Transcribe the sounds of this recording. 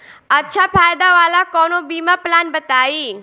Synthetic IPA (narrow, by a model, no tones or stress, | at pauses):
ətːʃʰafajd̪aʋalakɔnobimaplanbət̪ai